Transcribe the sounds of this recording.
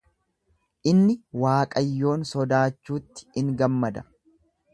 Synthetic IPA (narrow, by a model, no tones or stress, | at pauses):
ʔɪnːɪwaːkʼɐjːo̞ːnsɔd̪aːt͡ʃːuːt̪ːɪ̥ɪŋɡɐmːɐd̪ɐ